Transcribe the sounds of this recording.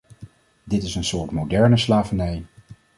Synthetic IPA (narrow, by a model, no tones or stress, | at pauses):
dɪtɪsənsʊːɹtmowdɛɹnəslaːvənɛj